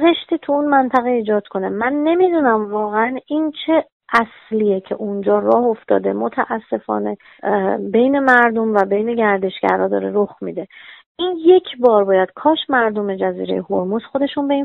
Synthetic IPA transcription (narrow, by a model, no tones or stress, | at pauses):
zeʃt̪iːt̪ʰuunmænt̪ʰæɣeiːd͡ʒɒːd̪̥kʰo̞ne̞mænːe̞miːd̪unæmvɒːɣeænint͡ʃʰe̞ | æs | lijecʰe̞̰ʔund͡ʒɒːrɒːhoft̪ɒ̰ːd̪e̞mot̪ʰæʔæsːe̞fɒ̰ːne̞ | be̞jne̞mæɾd̪o̞mvæbe̞jne̞ɟæɾd̪e̞ʃɡæ̰ɾhɒːd̪ɒ̰ːɾe̞ɾoxmḭd̪e̞ʔinje̞cʰbɒːɾbɒːjæd̪̥̚kʰɒːʃmæɾd̪o̞me̞d͡ʒæzḭːɾe̞jehoɾmusxo̞d̪e̞ʃunbe̞in